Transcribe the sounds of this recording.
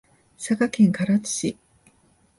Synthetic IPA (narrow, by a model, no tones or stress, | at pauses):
sakakẽ̞ŋkaɾat͡sɨ̥ɕi